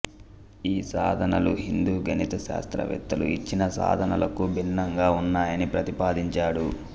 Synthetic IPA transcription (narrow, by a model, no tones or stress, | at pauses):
iːsaːd̪ʱɐnɐluɦind̪uːɡɐnit̪ɐʃa̰ːst̪ɾɐ̰ʋɛ̰t̪ːɐlṵit͡ʃːinɐsa̰ːd̪ʱɐnɐlɐkubʱinːɐŋɡaːunːaːjɐnipɾɐt̪ipaːd̪iɲt͡ʃaːɽu